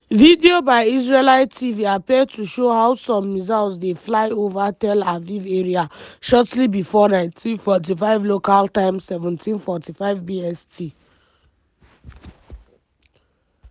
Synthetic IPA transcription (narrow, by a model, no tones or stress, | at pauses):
vidiobaɪisɹelaɪtiviapɛdtʰuʃohaʊsɔ̃mːizalsdeflaɪovatɛlaviveɹiaʃɔtlibifɔnãɪ̃ntʰĩnfɔt̬ifaɪvlokaltãɪ̃msɛvɛ̃ntʰĩnfɔtifaɪvbiɛstʰi